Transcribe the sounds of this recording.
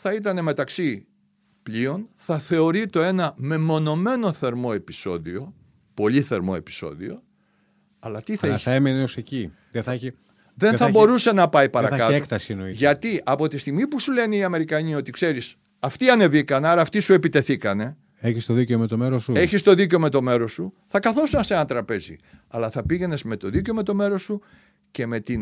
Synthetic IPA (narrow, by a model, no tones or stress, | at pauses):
θɐit̪̬ɐne̞me̞t̪ɐksi | pʎio̞nθɐθe̞o̞ɾit̪o̞e̞nɐme̞mo̞no̞me̞no̞θe̞ɾmo̞e̞piso̞̰ðio̞ | po̞ʎiθe̞ɾmo̞̰e̞pi̥so̞̰ðio̞̰ | ɐlɐt̪iθɐiçɐemeneoseci | ðeθ | ðe̞nθɐbo̞ɾuse̞nɐpɐipɐɾɐkkɐteokt̪ɐsienoiʝɐt̪iʔɐpo̞t̪ist̪iɣmipusule̞neiɐme̞ɾikɐɲio̞t̪ikse̞ɾis | ɐft̪iɐne̞vikɐnɐɾɐːft̪isue̞pit̪e̞θikɐne̞ | eçist̪oðiceomet̪o̞meɾosueçist̪o̞ðiceome̞t̪o̞me̞ɾo̞suθɐkɐθo̞sunɐseɐnt̪ɾɐpe̞zḭɐlɐθɐpiʝe̞ne̞zme̞t̪o̞ðiceome̞t̪o̞me̞ɾo̞su | ce̞me̞t̪in